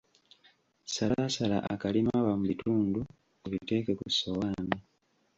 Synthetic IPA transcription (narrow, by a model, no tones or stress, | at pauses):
salasala̰ʔa̰kalimawamuβituːndu | eβite̞ːke̞kusowaːmi